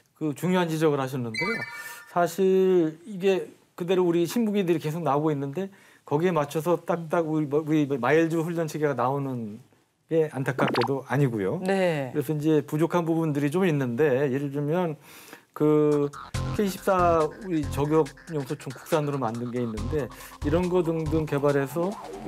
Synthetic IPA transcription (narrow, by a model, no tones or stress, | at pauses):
kɯt͡ɕuŋjoɦand͡ʑid͡ʑʌɡɯɭhaɕ̬ʰʌnːɯnde̞sʰaɕʰiɭiɡe̞ | kɯde̞ɾouɾiɕʰinbuɡidɯɾike̞sʰok̚naoɡoinːɯnde | kʌɡie̞mat͡ɕʰʌs̬ʰʌt͈akk̚t͈akuuɾimmaiɭd͡ʑuɸuʎːʌnt͡ɕʰeɡeɡanaonɯn | ɡe̞antʰak͈ak̚k͈e̞doaɲiɡujonekɯɾe̞sʰʌind͡ʑe̞pud͡ʑokʰanbubundɯɾit͡ɕominːɯnde̞jeɾd͡ʑumjʌn | kɯ | kʰe̞iɕʰi̥p̚s͈auit͡ɕʌɡjʌk̚ɲjʌŋsʰot͡ɕomku̥k̚s͈anɯɾomandɯnɡe̞inːɯnde̞iɾʌnɡʌdɯŋdɯŋke̞baɾe̞s̬ʰʌ